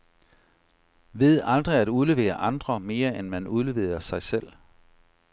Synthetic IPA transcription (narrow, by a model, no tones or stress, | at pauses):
ʋe̝ð̞̰ˠɑ̈ld̥ʁiæd̥uðˠle̝ʋe̝̰ːɐʔɑ̈nd̥ʁɐme̝ːɐenmænuðˠle̝ʋe̝̰ːɐsɑ̈ɪsel̰